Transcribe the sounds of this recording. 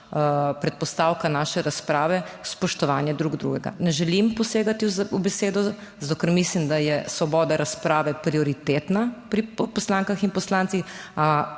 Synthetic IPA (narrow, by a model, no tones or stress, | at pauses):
pɾɛt̪̚pɔst̪awkanaːʃɛɾaspɾaːʋɛspɔʃt̪ɔʋanjɛd̪ɾuɡd̪ɾṵɡɛɡa̰nɛʒɛlimpɔseːɡat̪iubɛseːd̪ɔ | zat̪okəɾmislimd̪ajɛsʋɔbɔːd̪aɾaspɾaːʋɛpɾiɔɾit̪eːt̪napɾipɔslaːŋkaxinpɔslaːnt̪ix | a